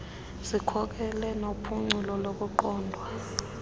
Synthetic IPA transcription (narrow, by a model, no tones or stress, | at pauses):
zikʰɔk̬ɛlɛnopʰuŋ͡ǀulɔlok̬ʼuǃɔːndʱwa